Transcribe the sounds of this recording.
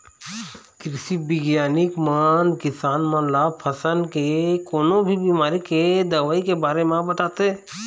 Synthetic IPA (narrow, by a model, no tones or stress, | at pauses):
kɾɪsibɪɡjaːnɪkmankɪsaːnmə̃laːpʰəsənkekoːnõbʱibiːmaːɾiked̪ɐʋaːikebaːɾemãbɐt̪aːt̪eɦɛ̃